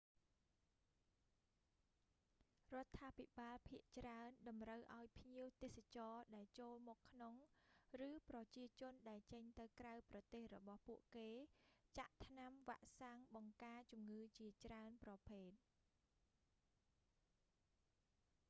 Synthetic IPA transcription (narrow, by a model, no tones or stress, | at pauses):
rŏət̪ʰːaːpʰiɓaːlpʰiəʔt͡ɕraənɗɑmrəwʔaɔjpʰɲiəwt̪eːhsat͡ɕɑːɗaɛlt͡ɕoːlmɔːkʰːnoŋrɨːprɑt͡ɕiət͡ɕʊ̆ənɗaɛlt͡ɕəɲt̪ɨwkrawprɑt̪eːhrɔɓɑhpuəʔkeːt͡ɕaʔt̪ʰnamʋaʔsaŋɓɑŋkaːt͡ɕumŋɨːt͡ɕiət͡ɕraənprɑpʰeːt̪̚